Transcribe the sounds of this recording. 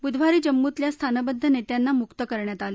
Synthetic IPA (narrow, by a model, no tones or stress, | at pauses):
bud̪ʋ̤aɾiːd͡ʑəmːut̪ljast̪ʰanəbəd̪ʱːənet̪janːamukt̪əkəɾɳjat̪ale